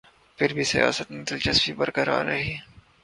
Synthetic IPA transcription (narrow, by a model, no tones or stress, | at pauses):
pʰɪɾbʱisɐja̰ːsət̪nit̪ɐlt͡ʃɐsfibɐɾkɐɾa̰ːɾɾɐɦiː